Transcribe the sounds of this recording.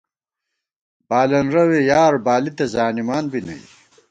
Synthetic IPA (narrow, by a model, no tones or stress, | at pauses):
baːlɐnɾɐwejaːɾbaːlit̪ɐzaːnimaːnbinɐ̰j